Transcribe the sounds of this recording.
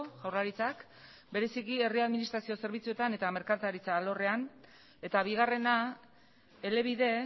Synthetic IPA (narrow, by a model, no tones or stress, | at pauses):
ɣawrlaɾit͡sak | be̞ɾe̞sikie̞riaðminist̪ɾasio̞se̞ɾβ̞it͡sue̞t̪ane̞t̪ame̞ɾkat̪aɾit͡saːlo̞re̞an | e̞t̪aβ̞iɣare̞na | ele̞β̞iðe̞